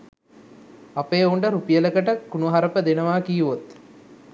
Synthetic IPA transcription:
apeːuɳɖəɾupijələkəʈəkunuɦaɾəpəd̪enəʋaːkiːʋot̪

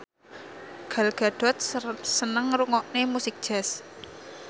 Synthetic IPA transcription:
ɡ̥a̤lɡ̥a̤ɖ̪̥ɔ̤t̪̚sənəŋɾuŋɔʔnemusɪk̚d̥ʒ̥ɛ̤s

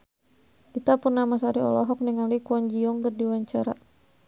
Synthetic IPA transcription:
ʔit̪apurnamas̬aɾiɔ̰lɔɦɔk̚niŋalikuɔɲd͡ʒiɔŋdərdiwaɲt͡ʃaɾa̰

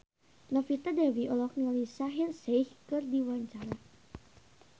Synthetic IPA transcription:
nɔfit̪adɛwiʔɔlɔk̚nialisaɦirsɛihkɨrdiwaɲt͡ʃaɾa

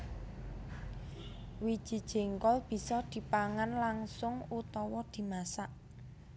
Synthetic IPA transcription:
wid̥ʒ̥i̤d̥ʒ̥e̤ŋkɔlb̥i̤sɔd̪̥i̤paŋanlaŋsʊŋut̪ɔwɔd̪̥i̤masaʔ

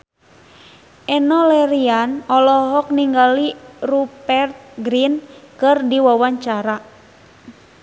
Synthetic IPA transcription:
ʔɛnɔlɛɾianɔlɔɦɔk̚niŋɡalirupɛrt̪̚ɡɾinkɨrdiwawaɲt͡ʃaɾa

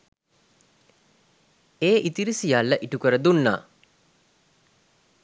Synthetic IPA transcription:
eːʔit̪iɾisijalːəʔiʈukəɾəd̪unːa̰ː

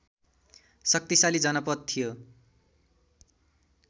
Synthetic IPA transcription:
sʌk̚t̪isalid͡zʌnʌpʌt̪̚t̪ʰːijo

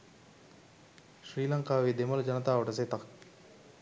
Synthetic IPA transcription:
ʃɾiːlɐŋkaːʋeːd̪eməld͡ʒɐnət̪aːʋɐʈəs̬eːt̪ɐk

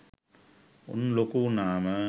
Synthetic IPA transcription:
ṵnlokːunaːmɐ

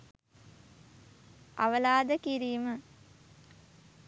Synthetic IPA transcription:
a̰ʋəlaːd̪əkiɾiːmə

